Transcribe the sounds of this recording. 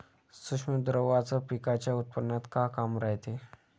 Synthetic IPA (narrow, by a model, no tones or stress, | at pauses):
suʂməd̪ɾəʋat͡sapikat͡ɕjaut̪̚pənːat̪kakamɾaɦt̪e